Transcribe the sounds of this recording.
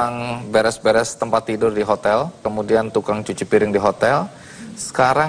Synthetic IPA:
aŋbɛɾɛsbɛɾɛst̪əmpat̪ːidʊrdiɦot̪ɛlkəmudiant̪ukaŋt͡ʃut͡ʃupiɾɪŋdiɦot̪ɛl | sə̥kaɾa

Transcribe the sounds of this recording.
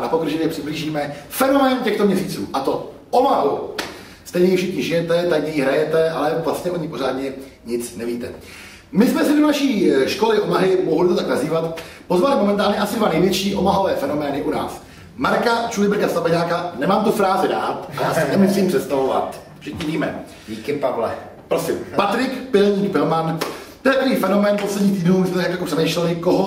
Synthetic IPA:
napo̞kr̩ʒɛjɛpr̥ɪbliːʒiːmɛfɛno̞mɛːncɛxt̪o̞mɲɛsiːt͡sṵːʔat̪o̞ | omaɦu | st̪ɛjɲɛjɪfʃɪxɲɪʒɪjɛt̪ɛt̪aɲjiɦɾajɛt̪ɛʔalɛvlastɲɛʔo̞ɲɪpo̞ɾ̝aːdɲɛ | ɲɪt͡snɛviːt̪ɛ | mɪsmɛsɪdo̞naʃiːʃko̞lɪʔo̞maɦɪmoɦolɪt̪ot̪aknaziːvat̪po̞zvalɪmo̞mɛnt̪̬aːlɲɛʔasɪdvanɛjvjɛt͡ʃiːʔo̞maɦovɛːfɛno̞mɛːnɪʔuna̰ːs | maɾkat͡ʃulɪbɾkast̪abaɲaːkanɛmaːmt̪ufɾaːzɪda̰ːt̪aasnɛmusiːmpr̥ɛt̪st̪avova̰t̪ | fʃɪxɲiviːmɛ̰ | ɟiːkɪpavlɛ̰ | pɾosɪmpat̪ɾɪkpɪlɲiːkpɪlmant̪ojɛpɾviːfɛno̞mɛːnposlɛdɲiːt̪iːdnumsmɛɲakjakopr̥ɛmɛjʃlɛlɪkoɦo

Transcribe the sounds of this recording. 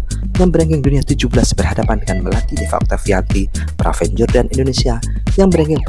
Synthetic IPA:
jaŋbəɾɛŋɡɪŋduniat̪ud͡ʒubəlasbərɦadapandəŋanməlat̪idefa̰k̚t̪afiant̪i | pɾa̰fɛɲd͡ʒɔrdanindonesia | jaŋbəɾɛŋɡɪŋp

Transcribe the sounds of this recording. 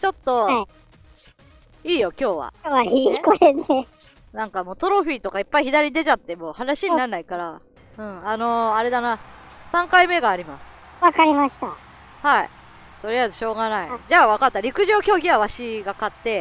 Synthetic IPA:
t͡ɕo̞t̪ːo̞ai | iːjo̞kʲo̞ːβa̰oaikoɾene | nãŋkamo̞ːt̪o̞ɾo̞ɸʲiːt̪o̞kaipːaiçid̪aɾʲid̪e̞t͡ɕat̪ːe̞mo̞ːhanaɕiɲ̟inaɾnaikaɾa | ɯ̟̃ɴano̞aɾe̞d̪anasãŋkaime̞ɡaːɾʲimasɨ̥ | βakaɾʲimaɕi̥t̪a | hai | t̪o̞ɾʲijaizɨɕo̞ːɡanaid͡ʑaːβakat̪ːaɾʲikɯ̟ʑo̞ːkʲo̞ːɡʲiβaβaɕiɡakat̪ːe̞

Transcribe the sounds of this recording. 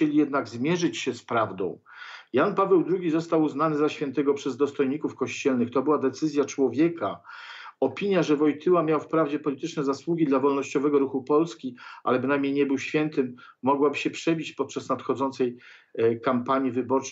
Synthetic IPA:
ɛlʲijɛd̪naɡzmʲjɛʐɘt͡ɕɕɛspɾavd̪ɔ̰̃w̃ | janpavɛwd̪ɾuɡʲizɔst̪awuznanɘzaɕfʲjɛnt̪ɛɡɔpʂɛzd̪ɔst̪ɔjɲikufkɔɕt͡ɕɛlnɘxt̪ɔbɘwad̪ɛt̪sɘzʲjat͡ʂwɔvʲjɛkaɔpʲiɲjaʐɛvɔjt̪ʰɘwamʲjawfpɾavd͡ʑɛpɔlʲit̪ɘt͡ʂnɛzaswuɡʲid̪lavɔlnɔɕt͡ɕɔvɛɡɔɾuxupɔlskʲiʔa̰lɛbɘnajmɲejɲɛbɘwɕfʲjɛnt̪ɘmː | ɔɡwabɘɕɛpʂɛbʲit͡ɕpɔt̪̚t͡ʂasnat̪xɔd̪zɔnt̪sɛj | kampaɲivɘbɔt͡ʂ

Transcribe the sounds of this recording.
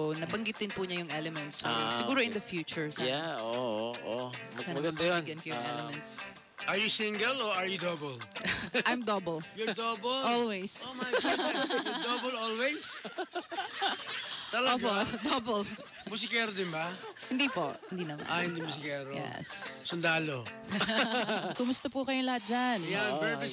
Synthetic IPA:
nɐbɐŋɡɪt̪̚d̪ɪnpuɲɐjʊŋʔɛlɛmɛnt̪sosɪɡuːɾoɪ̃nd̪ɐfjuːt͡ʃʊɹsajaooʔoɐsɐnɐɡɐd̪ɐjinɡɐnkɐjʊŋʔɛ̰lɛmɛnt̪s | ʔɐɹjʊsɪŋɡɛloɐɹjʊd̪obɔlʔajmd̪ɐbɔljɔɹd̪obɔlʔolwejsoma | jd̪obɔlolwɛjs | t̪ɐlopod̪obol | mʊsɪkɛːɾod̪ɪnbahɪnd̪iːpo̰ʔhɪnd̪iːnɐma̰ahɪnd̪imʊs̬ɪkɛːɾoj̰ɛ̰ssʊnd̪aːlo | kʊmʊst̪ɐpukɐjolɐhat̪̚d͡ʒanjanbɛɹbɪ

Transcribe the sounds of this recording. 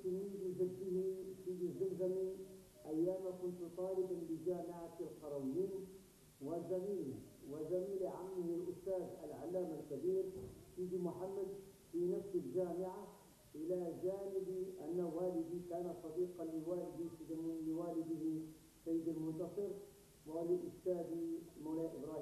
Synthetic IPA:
t̪imiizaɡːihisiːd̪izːamzami | ʔajːaːmakʊnt̪ut̪ˤɑːlɪbanbɪd͡ʒaːmɪʕafilqɑɾˤɑwijiːn | wazamiːliwazamiːliʕa̰mːihilʔʊst̪aːza̰lʕa̰lːaːmalkabiːɾfiːd̪imʊħamːad̪ | finafsald͡ʒaːmɪʕa | ʔɪlad͡ʒaːnibiʔanːawaːlid̪ikaːnat̪sˤɑd̪iːqɑliwaːlɪd̪ifizamliwaːlɪd̪ihi | sajːɪd̪almʊnt̪ɑsˤɨɾ | waliʔʊst̪aːd̪imawlajaʔɪbɾˤɑːhi

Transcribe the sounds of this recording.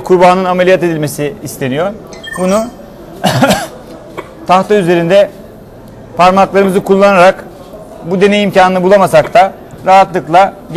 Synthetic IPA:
kʰuɾbaːnɯnamelʲijat̪e̞d̪ilʲme̞siːst̪ʰe̞nijo̞ɾbunu | t̪ʰaht̪ʰayze̞ɾind̪ɛ | pʰaɾmaklˠaɾɯmɯzɯkʰulˠːanaɾak | bud̪e̞ne̞jimcaːnɯnɯbulˠamasakt̪ʰa | ɾaɦat̪lˠɯklˠa | ɟ

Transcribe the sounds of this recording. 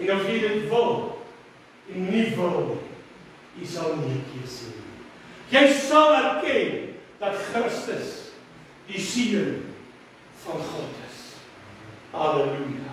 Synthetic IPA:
ɛnɐsjidətvəlˠ | ɛnnːivəlˠni | jisɐlˠniəkʰiərseːnḭ | jəjsɐlˠærkɛnd̥ɐtχrəstəs | disiən | fɐnχotəs | hɑːlelujɑ

